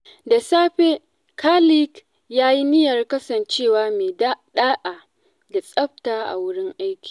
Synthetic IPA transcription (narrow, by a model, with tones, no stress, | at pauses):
da˨saː˦ɸe˦ | kʰaː˦li˦k | jaː˦ji˦nɪ˦jɐ˨rkɐ˦sɐ˨nt͡ʃeː˦˨waː˨˦meː˨˦ɗaː˦ʔaː˨ | da˨sʼɐ˦ɸtaː˦ʔa̰˨wʊ˦ɽɪ˦ŋʔa˦jkʲi̥ː˨